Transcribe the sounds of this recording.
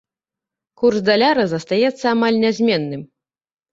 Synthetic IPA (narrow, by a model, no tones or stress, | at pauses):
kursd̪alʲaɾɐzɐst̪ajɛt̪sːɐamalʲnʲazʲmʲɛnːɨm